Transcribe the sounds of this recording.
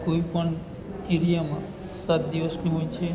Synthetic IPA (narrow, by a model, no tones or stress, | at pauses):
koʋipəɳ | iɾijamã | sat̪̚d̪iʋəsniɦojt͡ʃʰe